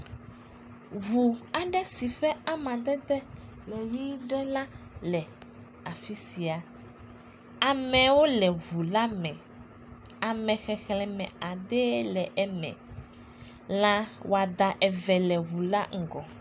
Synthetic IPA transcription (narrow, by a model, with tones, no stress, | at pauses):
ɦu˨a˨ɖɛ˦si˨ɸɛ˦a˦mã˨d̪ɛ˦d̪ɛ˦lɛ˨ji˦ɖɛ˦lã˦lɛ˨ | a˨fi˦si˨a˨ | a˨mɛ̃˨wo˦lɛ˨βu˨la˦mɛ̃˨ | a˨mɛ̃˨xɛ˨xlɛ̃˨mɛ̰̃˨a˨d̪ɛ˦lɛ˨ʔɛ˨mɛ̰̃˨ | lã˦wʔo˨a˨d̪a˨ʔɛ˨vɛ˨lɛ˨ɦu˨la̰˦ŋ̩˨ɡɔ˨